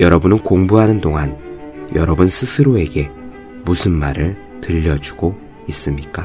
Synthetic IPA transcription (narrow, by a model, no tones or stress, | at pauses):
jʌɾʌbunɯnkoŋbuɦanɯndoŋanjʌɾʌbunsʰɯsʰɯɾoe̞ɡe̞ | musʰɯnmaɾɯɭ | tɯʎːʌd͡ʑu̥ɡ̥o | is͈ɯmɲik͈a